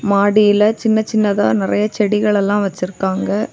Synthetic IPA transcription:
maːɽɪjɪlɐt͡ʃɪnːɐt͡ʃɪnːɐðaːnɪɾɐjɐt͡ʃɛɽɪɣɐɭɛlːãːʋɐt͡ʃːɪɾɯkːaːŋɡɐ

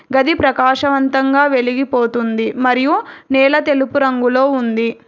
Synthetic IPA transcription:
ɡɐd̪ipɾɐkaːʃɐʋɐnt̪ɐŋɡaːʋe̞ɭiɡipoːt̪und̪imɐɾijunɛːɭɐt̪e̞lupuɾɐŋɡulo̞ːund̪i

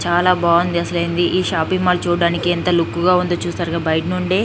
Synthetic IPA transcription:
t͡ʃaːlaːbaːʋɐnd̪iɐsɐlejnd̪iʔiːʃaːpiŋmaːlut͡ʃuːɽaːnikiɛnt̪ɐlukːuɡaːund̪ot͡ʃuːst̪aːɾɡabɐjʈnuɳɖeː

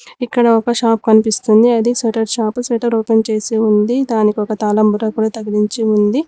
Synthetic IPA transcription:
ikːɐɽɐɔkɐʃaːpkɐnipist̪und̪iɐd̪iseʈɐɾʃaːpsɛʈɐɾoːpɐnt͡ʃe̞ːsiund̪id̪aːnikiɔkɐt̪aːlɐmbuɾɐkuːɽaːt̪ɐɡiɾiɲt͡ʃiund̪i

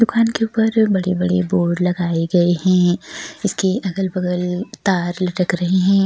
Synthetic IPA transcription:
d̪ʊkaːnkeʊpəɾbɐɽebɐɽeboːɖlɐɡaːeɡɐeɦɛ̃ːɪskeʔɐɡəlbɐɡəlt̪aːɾlɐʈəkɾɐɦeɦɛ̃ː

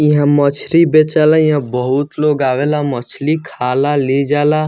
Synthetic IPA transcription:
ĩɦãmət͡ʃʰɾibet͡ʃalaĩɦãbəɦʊt̪loːɡaːʋeːlamət͡ʃʰlikʰaːlaled͡ʒaːlaː

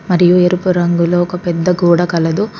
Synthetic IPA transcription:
mɐɾɪjueɾupɯɾɐŋɡɯloːkɐpɛd̪ːɐɡuːɽɐkɐlɐd̪u

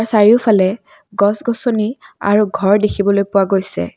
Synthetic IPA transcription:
ɹsaɹiʊpʰalɛ | ɡɔsɡɔsonia̰ɹuɡʱɔɹdekʰibɔlojpʊwaɡojsɛ̰

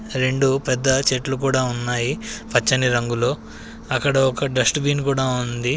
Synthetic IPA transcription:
ɾe̞ɳɖupɛd̪ːɐt͡ʃeʈluk̬uːɽaːunːaːjipɐt͡ʃːɐniɾɐŋɡulo̞ː | ɐkːɐɽɐɔkɐɖɾɐsʈbiːnkuːɽaːund̪i

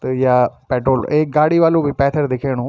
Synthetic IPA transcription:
t̪ɐjaːpɛːʈɾoːleːɡaːɽiʋaːlũbʱipɛːt̪ʰəɾd̪ɪkʰeːɽ̃ũː

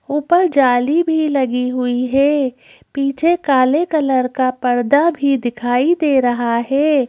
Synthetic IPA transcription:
uːpəɾd͡ʒaːlibʱilɐɡiɦʊiɦɛː | piːt͡ʃʰekaːlekɐləɾkapɐɾd̪abʱid̪ɪkʰaːid̪eːɾɐɦaɦɛː

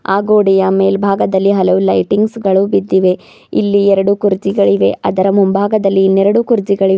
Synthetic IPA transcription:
aːɡoːɽijɐmeːlbʱaːɡɐd̪ɐlːiɦɐlɐʋulɐjʈiŋɡsɡɐɭubid̪ːiʋe̞ | ilːiɛɾɐɽukuɾd͡ʒiɡɐɭiʋe̞̰ʔɐd̪ɐɾɐmumbʱaːɡɐd̪ɐlːinɛɾɐɽukuɾd͡ʒiɡɐɭie

